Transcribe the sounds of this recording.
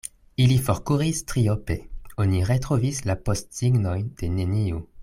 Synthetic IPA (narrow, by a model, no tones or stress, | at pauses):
ilifoʁkuʁistʁiope̞oniʁe̞tʁovislapostsiɡno̞jd̥e̞ne̞niu